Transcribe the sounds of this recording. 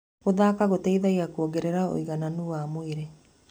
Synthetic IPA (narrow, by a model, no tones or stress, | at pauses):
ɣoðakaɣoteiðaiakuɔɡeɾeɾao̰iɣananuwamoeɾe